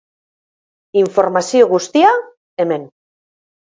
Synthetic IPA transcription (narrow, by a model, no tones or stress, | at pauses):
iɱfoɾmasioɣust̪ia | emẽn